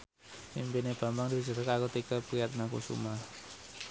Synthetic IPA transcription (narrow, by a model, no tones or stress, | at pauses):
mimpineb̥a̤mbaŋd̪it͡ʃəɾəkakot̪ikəpujat̪̚nakṵsṵma